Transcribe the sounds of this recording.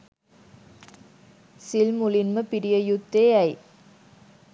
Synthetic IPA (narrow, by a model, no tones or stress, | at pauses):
silmʊlinməpiɾɪjɐjʊt̪ːeːɐj